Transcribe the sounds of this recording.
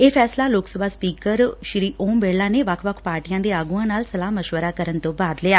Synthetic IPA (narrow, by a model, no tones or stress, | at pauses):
eːpʰɛːslaːloːksəbʱaːspiːkəɾʃɪɾiːʔoːmbeːlaːneːʋəkʰʋəkʰpaːɾʈijãːd̪eːaːɡuãːnaːlsəlaːməʃʋəɾaːkəɾənt̪õːbaːd̪lɪaː